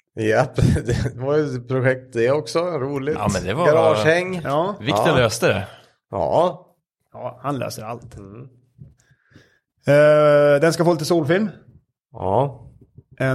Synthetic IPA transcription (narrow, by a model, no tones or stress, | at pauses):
jɛpːd̪ɛd̪ɛvaɾjəpʰɾʊɧɛk̚t̪̚d̪ɛɔksɔɾuːlɪtːmɛnd̪ɛvɡaɾɑːʂhɛŋːɑːvɪt̪ːəløst̪əd̪ɛ̰ | jɑ̰ː | jɑːhanlø̰ːsəɾalt̪ | d̪ɛnskafoːliːt̪əsuːlfɪlm | jɑ̰ː | ʔɛ